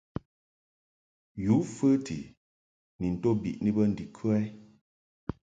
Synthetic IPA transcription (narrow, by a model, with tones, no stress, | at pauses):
ju˨˦fə˦tḭ˨ | ni˨n̩˨to˦bḭ˨ʔni˦bə˦n̩˨di˨kʰʉ˦ɛ˦